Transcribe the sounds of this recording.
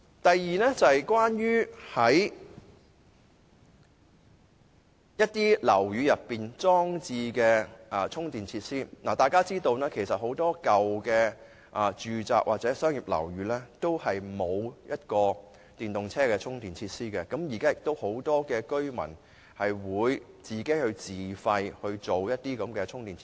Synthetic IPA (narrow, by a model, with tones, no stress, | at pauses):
t̪ɐ˨jːiː˨nɛ˥t͡sɐ˨hjkwaː˥njyː˥hɐ˨˥j | jɐ˥t̚t̪iː˥lɐ̰˨˩wjyː˨˧jɐ˨pːiː˨nt͡sɔː˥ŋt͡siː˧kɛː˧ʔɐ˨t͡sʰʊ˥ŋt̪iː˨˩nt͡sʰiː˧t̚siː˥naː˨˩t̪aː˨jkaː˥t͡siː˥t̪o˧wnaː˥kʰe˨˩jsɐ˨t̚ho˨˥wt̪ɔː˥kɐ˨wkɛː˧ | ʔɐ˨t͡ʃyː˨t͡sa̰ː˨k̚waː˨t̚t͡sɛ˨˥sœː˥ŋji˨p̚lɐ̰˨˩wɥyː˨˧lɛː˥t̪o˥whɐ˨jmo˨˧wjɐ˥t̚kɔː˧ | t̪iː˨˩nt̪ʊ˨ŋt͡sʰɛː˥kɛː˧t͡sʰʊ˥ŋt̪iː˨nt͡sʰiː˧t̚siː˥kɛ˧kɐ˨˥mjiː˨˩kaː˥jɪ˨k̚t̪o˥who˨˥wt̪ɔː˥kɛː˧kɵ˥ɥmɐ̰˨˩n | hɐ˨jwuː˨˧j | t͡siː˨ke˨˥hɵ˧ɥt͡siː˨fɐ˧jhɵ˧ɥt͡ʃo˨wjɐ˥t̚t̪iː˥kɐ˨˥mkɛː˧t͡ʃʰʊ˥ŋt̪iː˨nʰ˧